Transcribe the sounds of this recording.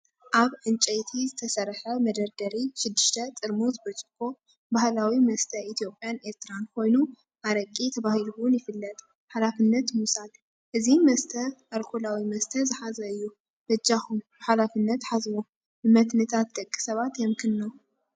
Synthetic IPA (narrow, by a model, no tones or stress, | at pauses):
ʔaβʕɨnt͡ʃʼɐjt̪ʰizɨt̪ʰɐsɐrħɐmɐd̪ɐɾd̪ɐɾiʃɪd̪ːɨʃt̪ʰɐt͡sʼɨɾmozɨbɐt͡ʃʼɨkʰːo̞ | bahlawimɐst̪ʰɐʔit̪ʰijopʼjane̞ɾt̪ʰɨɾankʰo̞jnu | ʔaɾɐkʼːit̪ʰɐβahɨluwʊnjɪfɨlːɐt̪ʼ | ħalafɨnːɐt̪musal | ʔɨzimɐst̪ʰɐʔalkʰolawimɐst̪ʰɐzɨħazɐɨjːu | b̥ɐd͡ʒaxumbɨħalafɨnːɐt̪ħazmo | bɨmɐt̪nɨt̪ʰat̪̚d̪ɐkʼːi̥sɐβat̪jɛmkʰɨnːo